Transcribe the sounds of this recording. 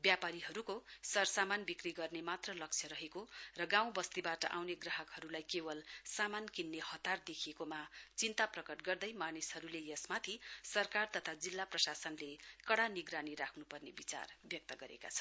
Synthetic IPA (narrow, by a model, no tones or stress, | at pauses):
bjapaɾiɦʌɾukosʌrsamanbikriɡʌrnemat̪rʌlʌk̚t͡sʰjʌɾʌɦekorʌɡaw̃bʌst̪ibaʈʌ̰ʔawneɡrʌɦʌkɦʌɾulajkebʌlsamankinːehʌt̪ard̪ekʰiekomat͡sint̪aprʌkʌʈɡʌrd̪ʌjmanishʌɾulejʌsmat̪ʰisʌrkart̪ʌt̪ʰad͡zilːaprʌsasʌnlekʌɽaniɡɾaniɾakʰnupʌrnebit͡sa̰rbjʌk̚t̪ʌɡʌɾḛka̰t͡sʰʌ̥n